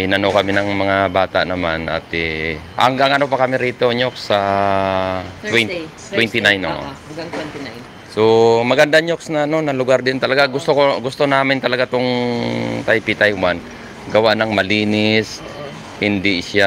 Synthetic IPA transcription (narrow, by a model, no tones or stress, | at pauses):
ɪnɐnokɐmɪnɐŋmɐŋabaːt̪a̰ʔnɐmanɐ̰t̪ɛʔɐ̰ŋɡɐŋɐnopɐkɐmɪɾiːt̪o̞ɲoksːɐ | t̪wɛ | t̪wɛnt̪ɪnajnoʔ | somɐɡɐnd̪aɲoksnɐɐno̞nɐlʊɡaɾd̪ɪnt̪ɐlɐɡaɡʊst̪okoɡʊst̪o̞naːmɪnt̪ɐlɐɡat̪oŋ | t̪ajpit̪ajwan | ɡɐwaʔnɐŋmɐliːnɪs | hɪnd̪ɪsja